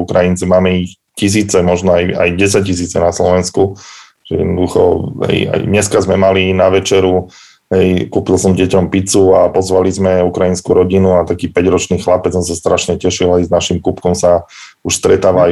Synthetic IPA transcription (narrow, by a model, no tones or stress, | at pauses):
ukɾajint͡sɛmaːmɛix | cis̬iːt͡sɛmɔʒnɔaja̰jɟɛs̬ac̚cis̬iːt͡sɛnaslɔʋɛnsku | ʒ̥ɛjɛd̪nɔd̪uxɔ̰ɦɛ̰ja̰jɲɛskazmɛmalinaʋɛt͡ʃɛɾu | ɦɛjkuːpilsɔmɟɛcɔmpit͡suapɔzʋalizmɛukɾajinskuɾɔɟinuat̪akiːpɛɟɾɔt͡ʃniːxlapɛt͡ssɔms̬ast̪ɾʔaʃɲɛcɛʃilajznaʃimkupkɔmsauʃst̪ɾɛt̪aːʋa